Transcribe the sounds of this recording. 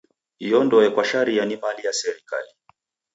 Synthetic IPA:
jɔndɔjɛkwaʃaɾijanimalijasɛɾika̰li

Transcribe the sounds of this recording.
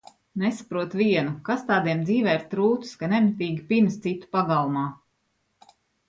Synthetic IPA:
nesḁpɾuɔt̪viɛnukast̪aːd̪iɛmd̪ziːvɛːɾt̪ɾuːt̪skanɛmt̪iːɡʲipimst̪sit̪u̥paɡalˠumaː

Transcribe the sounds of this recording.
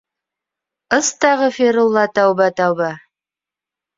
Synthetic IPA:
əst̪ɑʁəfeɾulˠːɑt̪awbat̪awba

